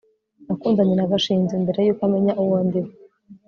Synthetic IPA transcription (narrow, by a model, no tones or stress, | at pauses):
nakuːndaɲenaβaʃiːnzimbe̞ɾe̞juːkameɲaʔuwoːndiwe